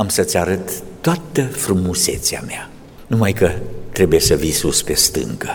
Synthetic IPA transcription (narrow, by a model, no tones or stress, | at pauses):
amsət̪sʲaɾət̪ːoat̪əfɾumuse̞̰t̪sea̰mea | numajkət̪ɾe̞buje̞səvisuspe̞st̪ɨ̰ŋkə